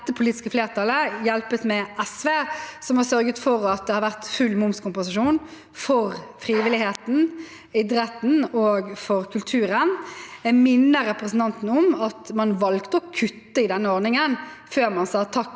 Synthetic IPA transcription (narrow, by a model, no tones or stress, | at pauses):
t̪ːəpʰʊliːt̪ɪ̥skəfleːʁt̪ʰɑləjɛlpət̪mɛʔɛsʋeːsɔmhɑsœɾɡət̪fɔʁɑt̪̚d̪ɛhɑɾʋæʁt̪fʉlmʊmskʰʊmpʊs̬ɪʂuːn | fɔʁfʁiːʋɪlɪheːt̪n̩ | ɪd̪ɾɛt̪n̩oːɡfɔʁkʰʉlt̪ʰʉːʁənmɪnːəɾɛpɾəsn̩t̪ɑnt̪n̩ɔmɑt̪mɑnʋɑlkt̪əɔkʰʉt̪ːəɪd̪ɛnːəɔɾnɪŋənføːʁmɑnsɑt̪ʰɑk